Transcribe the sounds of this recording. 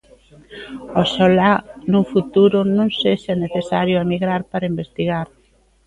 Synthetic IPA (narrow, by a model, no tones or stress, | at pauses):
osolanufut̪uɾʊnõŋsesɛneθesaɾjʊemiɣɾaɾpaɾɐimbest̪iɣaɾ